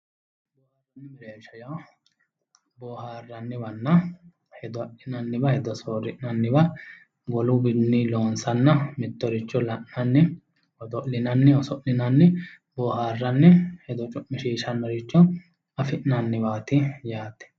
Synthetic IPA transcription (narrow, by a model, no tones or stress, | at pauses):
rboːhɐɐnːɪmɪɾeːʃɐjɐw | bɔːhaːrːɐnːɪbɐnːɐ | hɛd̪ɔʔɪnɐnːɪbɐhɛd̪ɔsoːɾɪʔnɐnːɪbɐ | bɔlʊbɪnːɪloːnsɐnːɐmɪt̪ːɔɾɪt͡ʃːɔlɐʔnɐnːɪ | ɔd̪ɔʔlɪnɐnːɪɔsɔʔlɪnɐnːɪ | boːhaːrːɐnːɪhɛd̪ɔt͡ʃʼʊʔːɪʃiːʃɐnːɔɾɪt͡ʃːɔ | ɐfɪʔnɐnːɪbaːt̪ɪjaːt̪ːɛ̥